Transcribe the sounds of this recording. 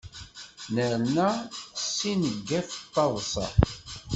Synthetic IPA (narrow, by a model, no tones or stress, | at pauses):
nəɾnæsːinəɡːæθət̪ˤːɑðˤsɑ̰